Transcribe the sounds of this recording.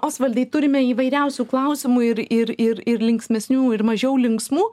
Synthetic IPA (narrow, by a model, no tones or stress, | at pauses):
oːsʋɐlʲd̪ʲɛɪt̪ʊɾʲɪmʲɛiːʋɐɪɾʲɛʊsʲuːklˠɐʊsʲɪmuɪɾɪɾɪɾɪɾlʲɪŋksʲmʲɛsʲnʲuːɪɾmɐʒʲɛʊlʲɪŋksmuː